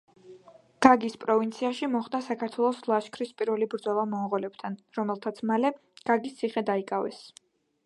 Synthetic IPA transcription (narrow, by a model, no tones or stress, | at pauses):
ɡ̥aɡispʼɾɔvint̪sʰiaʃimɔχd̪asakʰaɾt̪ʰwɛlˠɔslˠaʃkʰɾispʼiɾvɛlibɾd̪zɔlˠamɔʁɔlɛpt̪ʰanɾɔmɛlˠt̪ʰat̪sʰmalɛ | ɡ̥aɡist̪sʰiχɛd̪aikʼavɛ̰s